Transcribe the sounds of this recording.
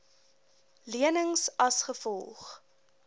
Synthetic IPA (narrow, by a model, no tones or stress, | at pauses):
liənəŋsɐsχəfɔlˠχ